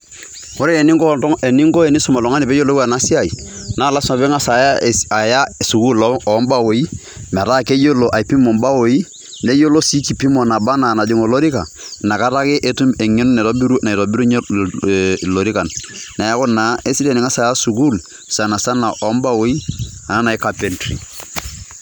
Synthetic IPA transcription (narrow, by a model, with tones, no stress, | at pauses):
o˦ɾɛ˦e˨ni˦e˨ni˦ŋɡɔ˦e˨ni˦sʊ˨ma˨lɔ˨ŋa˦ni˨bɛ˦jo˦lo˦a˨na˦si˦a˨i˨naː˦˨la˦sa˨bɛ˦ŋa˦sa˨ja˦˨a˨ja˦su˨ku˦lɔ˨˦mba˦wo˨˦i˦ | mɛ˨ɾa˦ke˦jo˦lo˨ʔa˨pi˦mo˨mba˦wo˨˦i˦ | ne˦jo˦lo˦si˦ki˨pi˦mɔ˨na˨ba˦na˨na˨d͡ʒi˦ŋo˨lo˦ɾi˦ka˨ | na˨ka˦ɾa˦kɪ˦ʔe˦tu˦mɛ˨ŋɛ˦nʊ˦nɛ˨tɔ˦bi˦ɾu˦na˨tɔ˨bi˦ɾu˦ɲ˦ | lo˨ɾi˦ka˨nːa˨ja˦kɔ˦na˨e˦si˦dɛ˦˨ni˨ŋa˦sa˨ja˦su˨ku˦l | sa˨na˨sa˦na˨ʔɔ˨˦mba˦wo˦i˦a˨na˦na˨i˦ka˨pɛ˨ntɾḭ˨